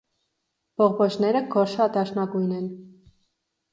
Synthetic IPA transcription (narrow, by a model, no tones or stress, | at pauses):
b̥ɔʁbɔt͡ʃnɛɾəɡɔɾʃɑt̪ɑʃnɑɡujnɛn